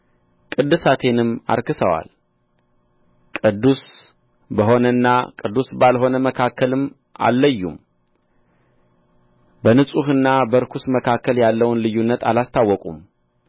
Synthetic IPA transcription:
kʼɨd̪ːɨsat̪ʰe̞nɨma̰ɾkɨsəwa̰l | kʼɨd̪ːus | bəɦo̞nənːakʼɨd̪ːusbalho̞nəməkʰakʰːəlɨm | ʔa̰lːəjːṵm | bənɨsʼuhɨnːabəɾkʰusməkʰakːəljalːəwnlɨjunːət̪ʰalast̪ʰawːɔkʼum

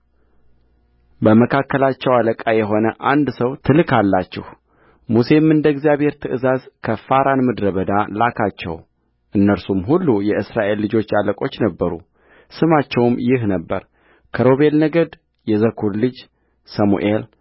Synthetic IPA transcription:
bəməkʰakːəlat͡ʃːɛwaləkʼajɛɦo̞nəʔand̪səwt̪ʰɨlkʰalːat͡ʃːɪ̰h | muse̞mɨnd̪əɡzijaβhe̞ɾt̪ʰɨʔɨzazkʰəfaɾanmɨd̪ɾəβəd̪alakʰat͡ʃːɛ̰w | ʔɨnːəɾsumɦulːujɛʔɨsɾaʔe̞lːɨd͡ʒo̞t͡ʃːaləkʼo̞t͡ʃːnəbːəɾṵ | sɨmat͡ʃːɛwmjɪhnəbːə̰ɾ | kʰəɾo̞βe̞lnəɡəd̪ | jɛzəkʰuɾlɨd͡ʒ | səmṵʔel

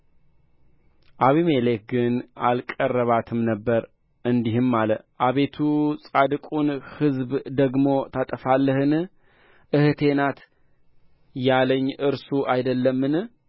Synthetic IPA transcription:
ʔaβimelekɡɨnalkʼərːəβat̪ʰɨmnəbːəɾ | ɨnd̪ihɨmːaləʔaβe̞t̪ʰusʼad̪ɨkʼunhɨzbd̪əɡmo̞t̪ʰat̪ʼəfalːəhɨn | ʔɨht̪ʰe̞nat̪ | jaləɲːʔɨɾsuʔajd̪əlːəmːɨn

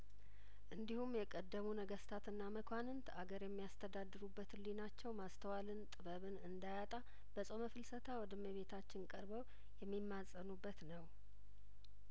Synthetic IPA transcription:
ʔɨnd̪ihumjɛkʼəd̪ːəmunəɡəst̪ʰat̪ɨnːaməkʰʷanɨnt̪ʰaɡəɾjɛmːijast̪ʰəd̪ad̪ːɨɾubːət̪ʰlinat͡ʃːɛwmast̪ʰəwalɨnt̪ʼɨβəβɨnɨnd̪ajat̪ʼa | b̥əsʼoməfɨlsət̪ʰawɔd̪əməβe̞t̪ʰat͡ʃːɪnkʼəɾbəw | jɛmːimːasʼənubːət̪nəw

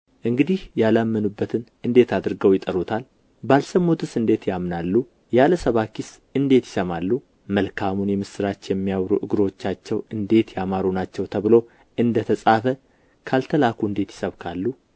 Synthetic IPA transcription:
ʔɨŋɡɨd̪ihjalamːənubːət̪ʰɨnʔɨnd̪e̞t̪ʰad̪ɨɾɨɡəwjɪt̪ʼəɾut̪ʰal | balsəmːot̪ɨsɨnd̪e̞t̪jamnalːu | jaləsəβakiɪsʔɨnd̪e̞t̪jɪ̥səmalːu | məlkʰamunjɛmɨsɨɾat͡ʃːjɛmːijawɾṵʔɨɡɨɾo̞t͡ʃːat͡ʃːɛwɨnd̪e̞t̪jamaɾonat͡ʃːɛwt̪ʰəβɨlo̞ | ʔɨnd̪ət̪ʰəsʼafə | kʰalt̪ʰəlakuɨnd̪e̞t̪jɪ̥səβkʰalːu

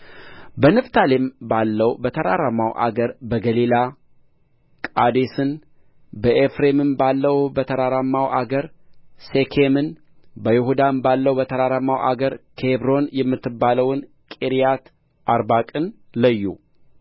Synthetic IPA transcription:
bənɨft̪ʰalembalːəwbət̪ʰəɾaɾamːawʔa̰ɡəɾbəɡəlila | kʼad̪esɨn | bəʔefɾe̞mɨmbalːəwbət̪ʰəɾaɾamːawʔaɡəɾsekʰemɨn | bəjɛhud̪ambalːəwbət̪ʰəɾaɾamːawʔa̰ɡəɾkʰebɾo̞njɛmːɨt̪ʰːɨbːaləwn | kʼeɾijat̪ | ʔaɾbakʼɨn | ləjːu

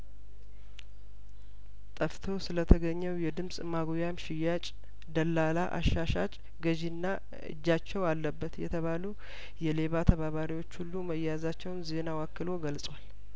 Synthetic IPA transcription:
t̪ʼəft̪ʰo̞sɨlət̪ʰəɡəɲːɛwjɛd̪ɨmsʼmaɡjamʃɪjat͡ʃʼ | d̪əlːalaʔa̰ʃːaʃat͡ʃʼ | ɡəd͡ʒinːa | ɨ̰d͡ʒːat͡ʃːɛwalːəbːət̪jɛ̰t̪ʰəβalu | jɛle̞βat̪ʰəβaβaɾiwo̞t͡ʃːhulːuməjazat͡ʃːɛwnze̞nawakːɨlo̞ɡəlsʼwal

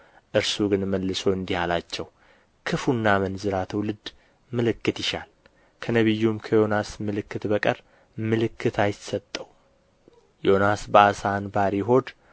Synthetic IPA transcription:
ʔɨɾsuɡɨnməlːɨso̞ɨnd̪ihalat͡ʃːɛw | kʰɨfunːamənzɨɾat̪ʰəwlɨd̪ | mɨlɨkːɨt̪jɪʃa̰l | kʰənəβɨjːumkʰəjo̞nasmɨlɨkːɨt̪bəkʼəɾ | mɨlɨkːɨt̪ʰajɪt̪sət̪ʼːəw | jo̞nasbəasanbaɾiɦo̞d̪

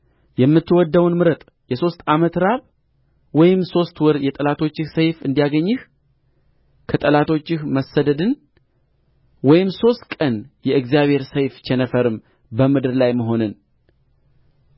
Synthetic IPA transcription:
jɛmːɨt̪ːɨwɔd̪ːəwnmɨɾət̪ʼ | jɛso̞st̪amət̪ɾaβ | wɔjɪmso̞st̪wɔɾjɛt̪ʼəlat̪ʰo̞t͡ʃːɪhsəjfɨnd̪ijaɡəɲːɪh | kʰət̪ʼəlat̪ʰo̞t͡ʃːɪhməsːəd̪əd̪ɨn | wɔjɪmso̞st̪kʼənjɛʔɨɡzijaβhe̞ɾsəjft͡ʃʰɛnəfəɾɨm | bəmɨd̪ɨɾlajməɦo̞nɨn

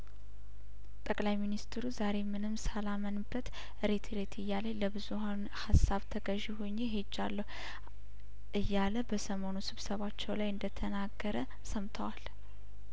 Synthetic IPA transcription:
t̪ʼəkʼlajminist̪ʰɾuzaɾe̞mɨnɨmsalamənbːət̪ | ɨɾet̪ʰeɾet̪ʰɨjːalajləbɨzuhan | hasːaβt̪ʰəɡəʒihoɲːeɦe̞d͡ʒːalːəhu | ʔɨjːaləbəsəmo̞nusɨβsəβat͡ʃːɛwlajɨnd̪ət̪ʰənaɡːəɾə | səmt̪ʰəwal

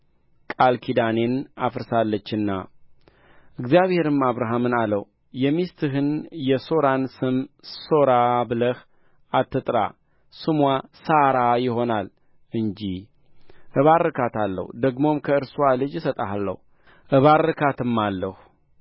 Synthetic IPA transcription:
kʼalkʰid̪ane̞nafɨɾsalːət͡ʃːɨnːa̰ | ʔɨɡzijaβhe̞ɾɨmaβɾaɦamɨnalə | jɛmist̪ʰɨɦɨnjɛso̞ɾansɨmso̞ɾabɨləh | at̪ːɨt̪ʼɾa̰ | sɨmwasaɾajɪɦo̞nal | ɨnd͡ʒi | ʔɨβaɾɨkʰat̪alːə̰hud̪əɡmo̞mkʰəɨɾswalɨd͡ʒsət̪ʼaalːə̰hu | ʔɨβarːɨkʰat̪ʰɨmːalːəh

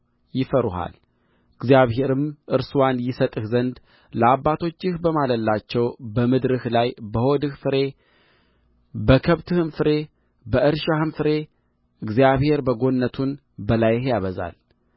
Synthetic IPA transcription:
jɪfəɾuha̰l | ɨɡzijaβhe̞ɾɨmʔɨɾswanjɪsət̪ʼɨhzənd̪ | ləabːat̪ʰo̞t͡ʃːɪhbəmaləlːat͡ʃːɛwbəmɨd̪ɾɨhlajbəho̞d̪ɨhfɨɾe̞ | bəkʰəβt̪ʰɨhɨmfɨɾe̞ | bəʔɨɾʃahɨmfɨɾe̞ | ɨɡzijaβhe̞ɾbəɡo̞nːət̪ʰun | bəlajhjaβəza̰l

